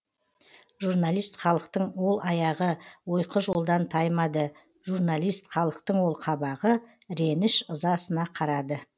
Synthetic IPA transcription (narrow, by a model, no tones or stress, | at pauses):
ʒurnalˠijst̪χɑlˠəqt̪əɴwo̞lˠʔɑjɑʁəwo̞jqəʒo̞lˠd̪ɑnt̪ʰɑjmɑd̪ə | ʒurnalˠijst̪χɑlˠəqt̪əɴwo̞lˠqʰɑbɑʁə | ɾe̞nɪʃəzɑsənɑqʰɑɾɑd̪ə